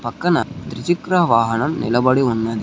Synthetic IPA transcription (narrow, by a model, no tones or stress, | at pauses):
pɐkːɐnɐ̰d̪ɾɪt͡ʃikɾɐɐʋaːɦɐnɐmnɪ̰lɐbɐɽiunːɐðɯ